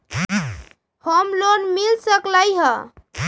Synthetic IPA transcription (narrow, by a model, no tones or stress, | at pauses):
həmlonmilsəklajɦə